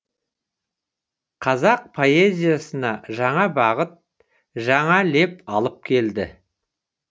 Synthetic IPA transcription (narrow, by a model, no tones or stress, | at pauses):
qʰɑzɑq̚pʰo̞e̞zʲijasənɑʒɑɴɑbɑʁət̪̚ | ʒɑɴɑle̞pɑlˠəp̚kʲʰe̞ld̪ɪ̰